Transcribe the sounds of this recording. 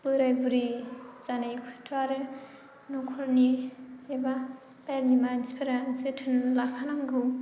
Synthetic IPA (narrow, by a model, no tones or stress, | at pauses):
pɯɾajbuɾizanajkʰutʰaɾɯ | nɔkʰɔɾnieba | paɾnimanzipʰaɾazɯtʰɯnlakʰanaŋɡɯ